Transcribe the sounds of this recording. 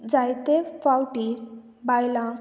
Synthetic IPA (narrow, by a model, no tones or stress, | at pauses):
d͡zajt̪efawʈi | bajlã